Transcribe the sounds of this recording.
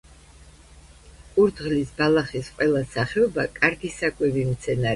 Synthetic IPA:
uɾd̪ʁlisbalˠaχisqʼwɛlˠasaχɛɔbakʼaɾɡisakʼwɛvimt̪sʰɛnaɾ

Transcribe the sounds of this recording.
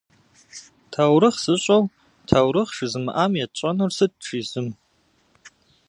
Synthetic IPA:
tʰawɾɨχsɨɕʷʼow | tʰawɾɨχʂɨzɨmʔamjat͡ʃʷʼanɨrsɨd̚ʈ͡ʂʰizɨm

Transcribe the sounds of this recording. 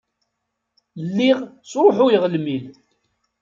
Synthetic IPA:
lːiʁsɾˤoħʊjəʁəlmil

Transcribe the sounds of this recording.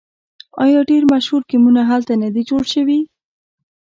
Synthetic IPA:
ɑjɑɖeɾmaʃhuɾkimunaɦalt̪anad̪id͡ʒoɽʃəwi

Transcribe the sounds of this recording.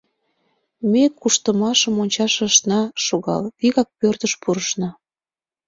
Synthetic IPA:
mekːuʃt̪əmɑʃəmonʲt͡ɕɑʃĕʃnɑʃoɣɑ̰lβiɣɑk̚pørt̪əʃpuɾəʃnɑ

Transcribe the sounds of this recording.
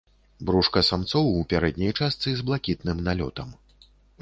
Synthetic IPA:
bɾuʂkɐsamt̪sɔwupʲaɾɛd̪ʲnʲɐjt͡ʂast̪sɨzblˠakʲit̪nɨmnalʲɔ̰t̪ɐm

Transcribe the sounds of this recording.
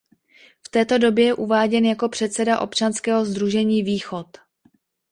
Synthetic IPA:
ft̪ɛːt̪o̞do̞bjɛjɛʔuvaːɟɛnjako̞pr̝̥ɛt̪sɛdaʔo̞̰pt͡ʃanskɛːɦo̞zd̪ɾuʒɛɲiːviːxo̞t̪

